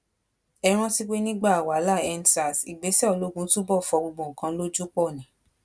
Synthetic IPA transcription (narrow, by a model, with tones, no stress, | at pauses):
ɛ˧ɾ̃ã˦ti˦k͡pe˦nĩ˦ɡ͡ba˦˨a˨wa˨˦la˦˨ɛ˧nsa˨si˨ɡ͡be˨˦sɛ˦ɔ˨lo˦ɡũ˧˦tũ˦bɔ˦˨fɔ˨˧ɡ͡bo˧ɡ͡bɔ̃˨kã˧lo˦d͡ʒu˦k͡pɔ˦˨nĩ˨˦